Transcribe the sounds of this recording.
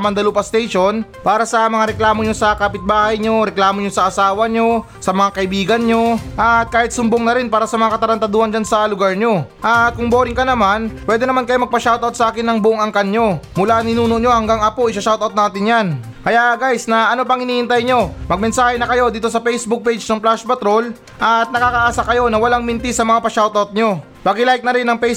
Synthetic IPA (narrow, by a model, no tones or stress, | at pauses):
mɐnd̪ɐluːpɐst̪ɛjʃo̞npaːɾɐsɐmɐŋaɾɛklaːmoɲo̞sɐkaːpɪt̪̚baːhɐjɲo̞ɾɛklaːmoɲo̞sɐʔɐsaːwɐɲo̞ | sɐmɐŋakɐʔɪbiːɡɐnɲo̞ʔɐt̪̚kaːhɪt̪̚sʊmboŋnɐɾɪnpaːɾɐsɐmɐŋakɐt̪ɐɾɐnt̪ɐd̪oːhɐnd͡ʒansɐlʊɡaɹɲo̞ʔɐt̪̚kʊŋbo̞ːɾɪŋkɐnɐmanpwɛd̪ɛnɐmankɐjomɐɡ̚pɐʃawt̪ɐwt̪sɐʔaːkɪnːɐŋbʊʔoŋɐŋkɐnɲo̞mʊlaʔɐŋɪnuːnoʔɲo̞hɐŋɡaŋʔɐpo̞ʔɪsɐʃawt̪ʔɐwt̪̚naːt̪ɪnjan | kɐjaʔɡajsnɐɐnop̬ɐŋhɪniːʔɪnt̪ɐjɲo̞mɐɡ̚mɛnsaːhɛnɐkɐjo̞d̪iːt̪o̞sɐpɛjsbʊk̚pejd͡ʒnɐŋplaʃpɐt̪ɾo̞l | ʔɐt̪̚nɐkaːkɐʔaːsakɐjo̞nɐwɐlaŋmɪnt̪ɪsɐmɐŋapɐʃawt̪awt̪̚ɲo̞ | bɐɡɪlaɪk̚nɐɾɪnːɐŋpɛj